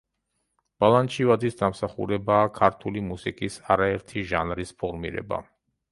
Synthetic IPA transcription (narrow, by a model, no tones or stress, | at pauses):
b̥alˠant͡ʃʰivad̪isd̪amsaχṵɾɛbaːkʰaɾt̪ʰulimusikʼisaɾaɛɾt̪ʰiʒanɾispʰɔɾmḭɾɛ̰ba̰